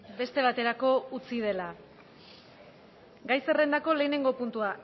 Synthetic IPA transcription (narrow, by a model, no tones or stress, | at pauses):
be̞st̪e̞β̞at̪e̞ɾako̞ut͡sið̞e̞la | ɡajse̞re̞nd̪ako̞le̞ːne̞ŋɡo̞punt̪ua